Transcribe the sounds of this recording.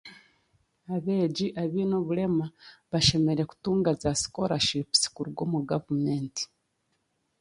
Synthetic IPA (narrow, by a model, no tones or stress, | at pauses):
aβe̞ːɟiʔaβinoβule̞maβaʃe̞me̞ɾe̞ku̥tuːŋɡazasi̥koɾaʃipsi̥kuɾuɡwomuɡavumeːnti̥